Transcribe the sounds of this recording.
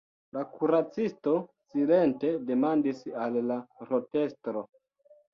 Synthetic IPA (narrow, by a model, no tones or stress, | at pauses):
lakuɾat͡sisto̞sile̞nte̞de̞mandisalːaɾo̞te̞stɾo̞